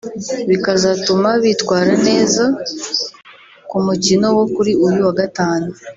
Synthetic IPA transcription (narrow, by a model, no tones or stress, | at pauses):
βikazatumaβitwaːɾane̞ːza | kumucino̞wo̞kuɾiujuwaɡataːnu